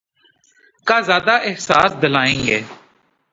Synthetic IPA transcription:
kaːzjaːd̪aːʔɪɦsaːsd̪əlaːẽːŋɡeː

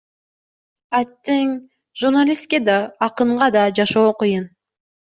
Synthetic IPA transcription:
at̪ːeŋ | ʒurnalʲist̪̚ked̪ɑːqɯɴʁɑd̪ɑd͡ʒɑʃo̞ːqɯjɯn

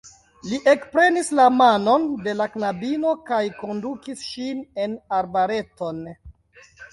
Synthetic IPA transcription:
liʔe̞kpɾe̞nislamano̞nde̞laknabino̞kajko̞ndukisʃine̞naɾbaɾe̞to̞n

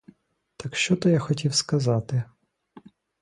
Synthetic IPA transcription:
t̪ɐkʃt͡ʃɔt̪ɔjaxɔtʲiwskɐzɑt̪ɪ

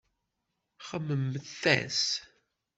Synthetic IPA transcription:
χəmːəmːəθæ̰s

